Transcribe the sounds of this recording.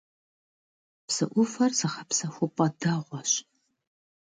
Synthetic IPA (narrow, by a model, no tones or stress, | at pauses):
psɨ̰ʔʷʊfɐrzɐχɐpsɐxʷʊpʼɐdɐʁʷɔɕ